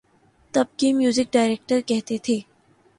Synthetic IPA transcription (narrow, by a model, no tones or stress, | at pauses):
t̪ɐb̚kimjuːzɪk̚ɖaːɪɾeːk̚ʈəɾkɛɦt̪et̪ʰeː